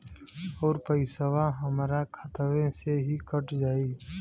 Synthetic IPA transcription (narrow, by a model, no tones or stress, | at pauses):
ɔːɾpəɪsəʋãɦəmɾakʰət̪əʋẽseɦikəʈd͡ʒaːiː